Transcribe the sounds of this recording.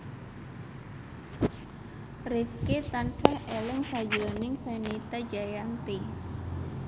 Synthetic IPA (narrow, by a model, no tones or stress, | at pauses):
rifket̪ansahelɪŋsad͡ʒɾonɪŋpenit̪ad͡ʒajaŋt̪i